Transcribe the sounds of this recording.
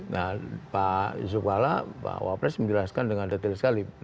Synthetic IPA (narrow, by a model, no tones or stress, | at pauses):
ŋapasukala̰pa̰wa̰pɾɛsməd͡ʒəlaskandəŋandat̪əlsə̥kali